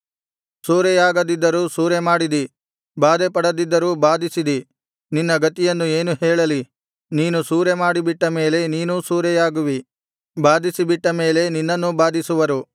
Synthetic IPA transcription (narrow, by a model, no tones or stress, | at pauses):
suːɾɛjaːɡɐd̪id̪ːɐɾuːsuːɾemaːɽid̪i | baːd̪epɐɽɐd̪id̪ːɐɾuːbaːd̪isid̪i | ninːɐɡɐt̪ijɐnːueːnuɦɛːɭɐli | niːnusuːɾemaːɽibiʈːɐme̞ːle̞niːnusuːɾɛjaːɡuʋi | baːd̪isibiʈːɐme̞ːle̞ninːɐnːubaːd̪isuʋɐɾu